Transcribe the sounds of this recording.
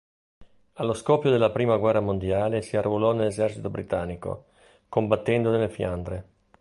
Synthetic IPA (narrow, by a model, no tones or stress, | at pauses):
alːoskɔpːjod̪elːapɾiːmaɡwɛrːamond̪jaːlesiarvolɔnelːezɛrt͡ʃit̪obɾit̪anːiko̰ | kombat̪ːɛnd̪onelːefjand̪ɾe